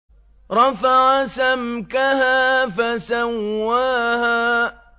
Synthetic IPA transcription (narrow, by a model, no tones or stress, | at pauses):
ɾˤɑfaʕasamkahaːfasawːaːhaː